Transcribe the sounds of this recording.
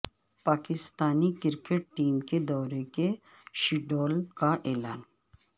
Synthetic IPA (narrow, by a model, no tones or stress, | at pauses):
paːkɪst̪aːnikɪɾkeʈ̚ʈːiːmked̪ɔːɾeke | ʃiɖoːlkaʔeːlaːn